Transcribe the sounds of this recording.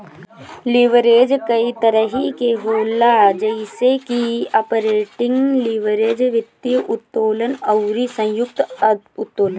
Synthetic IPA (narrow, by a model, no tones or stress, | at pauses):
lɪʋəɾeːd͡ʒkɐit̪əɾəɦikeɦoːlad͡ʒɐɪsekiɐːpəɾeːʈɪ̃ŋɡliʋəɾeːd͡ʒʋɪt̪ːijʔʊt̪ːoːlənɐʊɾisɐ̃jʊk̚t̪ | ʊt̪ːoːlə